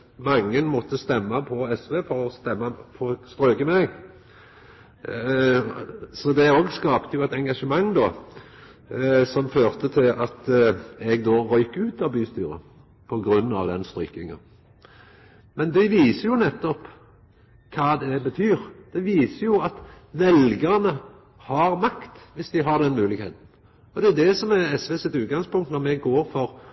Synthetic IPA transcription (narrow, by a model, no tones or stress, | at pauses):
mɑŋːənmɔt̪ːəst̪ɛmːɑpʰɔɛsʋeːfɔʁɔst̪ɛmːɑpʰɔst̪ʁøːɡəmɛɡ | sɔd̪ɛoːɡskɑːpt̪əjʊɛt̪ɛŋɡɑʂəmɑŋːd̪oː | sɔmføːʁt̪ət̪ʰɪlʔɑt̪ɛɡd̪oːʁœʏkəʉːt̪ɑʋbyːst̪yːɾə̰ | pʰɔɡɾʉnːɑ̰ʋd̪ɛnst̪ɾy̰ːkɪŋɑ̰ | mɛnd̪ɪʋiːsəɾjʊnɛt̪ːɔp | kʰɑːd̪ɛbət̪ʰyːɾd̪̥ɛʋiːsəjʊɑt̪ | ʋɛlɡəʁnə | hɑɾmɑkt̪ʋɪsd̪ɪɦɑd̪ɛnmʉːlɪɡhḛːt̪n̩ | ɔd̪ɛd̪ɛsɔmɛɛsʋesɪt̪ʉːt̪̚ɡɑŋspʊŋt̪nɔɾmɛɡoːɾfɔɾ